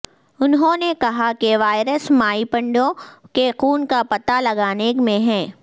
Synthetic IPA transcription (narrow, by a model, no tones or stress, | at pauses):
ʊnɦõnekɐɦakeʋaːɪɾəsmaːipɐ̃ɳɖõkexuːnkapɐt̪alɐɡaːnekmẽɦɛ̃ː